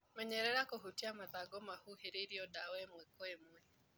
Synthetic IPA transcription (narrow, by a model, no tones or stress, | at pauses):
mɛɲɛɾɛɾakoɦutiamaðaɡɔmahuheɾeɾiɔdawɛmwɛkwemwɛ